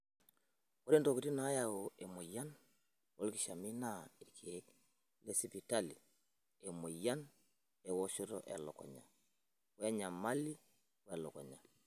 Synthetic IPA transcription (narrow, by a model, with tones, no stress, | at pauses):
wo˦ɾe˦nto˨ki˨ti˦na˨˦ja˨woe˨mo˨ja˦n | wo˦lki˨ʃa˨mi˦na˦i˨ɾkʰi˨e˦k | le˦si˨pi˨talḭ˨ | e˨mo˨ja˦n | e˨wo˦ʃo˦ɾo̰ʔḛ˨lɔ̰˨kɔ̰˨ɲa̰˨ | we˦a˦ɲa˨ma˦li˦ | wa˨lo˨kɔ˨ɲa˨